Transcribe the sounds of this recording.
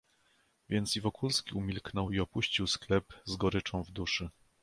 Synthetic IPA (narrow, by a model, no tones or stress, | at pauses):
vʲjɛnt̪sivɔkʰulskʲiumʲilknɔwiɔpuɕt͡ɕiwsklɛpzɡɔɾɘt͡ʂɔ̃w̃vd̪uʂɘ